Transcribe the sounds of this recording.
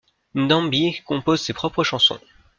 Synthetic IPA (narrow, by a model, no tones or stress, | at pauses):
nd̪ɑ̃bikɔ̃pozsepχɔpχəʃɑ̃sɔ̰̃